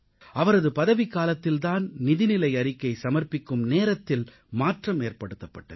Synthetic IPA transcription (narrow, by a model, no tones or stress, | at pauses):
ʔɐʋɐɾɐðɯpɐðɐʋɪkːaːlɐt̪ːɪlt̪aːnnɪðɪnɪlɐɪɐɾɪkːɐɪsɐmɐrpɪkːɯmneːɾɐt̪ːɪl | maːʈrɐmeːrpɐɽɯt̪ːɐpːɐʈːɐð